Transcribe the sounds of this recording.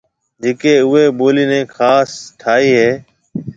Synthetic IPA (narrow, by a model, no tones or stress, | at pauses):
d͡ʒeːkeːʊɦeːboːliːnɛ̃ːkʰaːsʈʰaːiːɦeː